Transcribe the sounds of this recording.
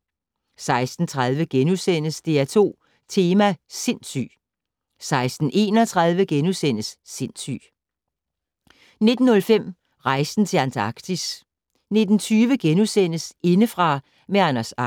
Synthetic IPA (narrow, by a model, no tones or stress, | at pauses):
sɑ̈ɪsd̥n̩t͡sʰʁɑð̞ˠʋəɡ̥enusen̰əsd̥e̝æt͡sʰo̝̰ː | t͡sʰe̝ːmæse̝n̰sy̰ː | sɑ̈ɪsd̥n̩ʔe̝̰ːnɒt͡sʰʁɑ̈ð̞ˠʋəɡ̥enusen̰əsːe̝n̰sy̰ː | ne̝d̥n̩ːɔ̽lfem̰ | ʁɑ̈ɪsn̩t͡sʰe̝lænt͡sʰɑ̈ɡ̥d̥is | ne̝d̥n̩t͡sʰyːʋəɡ̥enusen̰əse̝nəfʁɑ̈ | meɑ̈næsɑ